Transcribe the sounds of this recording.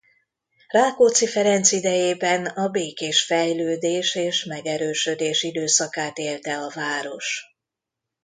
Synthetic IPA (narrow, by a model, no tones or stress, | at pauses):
raːkoːt̪sifɛɾɛnt̪sid̪ɛjeːbɛnɒbeːkeːʃfɛjløːd̪eːʃeːʃmɛɡɛɾøːʃød̪eːʃid̪øːsɒkaːt̪eːlt̪ɛɒvaːɾo̞ʃ